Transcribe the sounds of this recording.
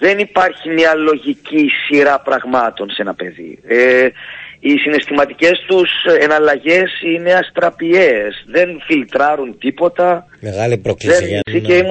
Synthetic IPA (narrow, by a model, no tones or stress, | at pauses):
ðe̞nipɐɾçimɲɐlo̞ʝicisiɾɐpɾɐɣmɐt̪o̞nse̞nɐpe̞ðḭe | isine̞st̪imɐt̪ice̞st̪use̞nɐlɐʝe̞sine̞ɐst̪ɾɐpie̞sðe̞nfilt̪ɾɐɾunt̪ipo̞t̪ɐ | meɣɐliɾoklðensieim